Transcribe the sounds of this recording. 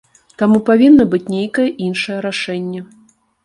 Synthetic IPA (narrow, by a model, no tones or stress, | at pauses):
t̪amupavʲinːɐbɨt͡sʲnʲejkɐjɛʔinʂɐjɛɾaʂɛnʲːɛ